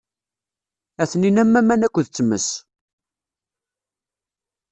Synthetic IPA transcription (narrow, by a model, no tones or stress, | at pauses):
æθninæmːæmːænækʷːðt͡sːəmːə̰s